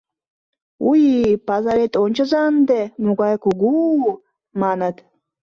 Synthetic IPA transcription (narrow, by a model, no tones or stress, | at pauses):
ujipazaɾet̪ʼonʲt͡ʃʰazand̪ɛmuɡʷajkʷʰuɡu | manat̪ʰ